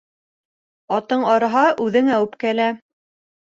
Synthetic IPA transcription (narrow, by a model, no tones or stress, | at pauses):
ɑt̪ɤɴɑɾɑɦɑʔʉðɘŋæwɘpkælæ